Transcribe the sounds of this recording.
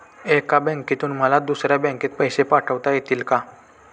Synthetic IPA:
ekabɛ̃ŋkit̪uːnm̤əlad̪usɾjabɛ̃ŋkiːt̪̚pəjsepaʈʰəʋt̪ajet̪iːlka

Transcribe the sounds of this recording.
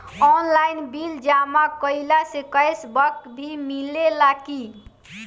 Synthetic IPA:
ɔnlajnbild͡ʒamakəɪlasekəjsbəkbʱimilelaki

